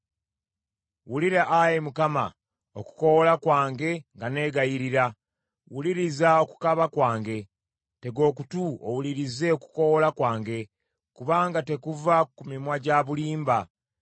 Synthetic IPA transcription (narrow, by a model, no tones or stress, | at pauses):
wuliɾaʔajemukama̰ | oku̥ko̞wolakwaːŋɡe̞ŋɡane̞ɡajiɾiɾa | wuliɾizao̞ku̥kaβakwaːŋɡe̞ | te̞ɡo̞ːkutuo̰wuliɾize̞oku̥ko̞wolakwaːŋɡe̞ | kuβaːŋɡate̞kuvakumimwaɟaβuliːmba